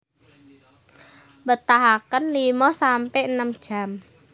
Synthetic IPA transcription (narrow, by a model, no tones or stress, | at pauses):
bət̪aɦakənlimɔsampɛʔnəmd̥ʒ̥a̤m